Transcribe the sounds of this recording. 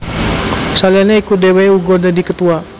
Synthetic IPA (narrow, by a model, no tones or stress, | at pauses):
salianɲaikut̪̚deweuɡɔdadikət̪ua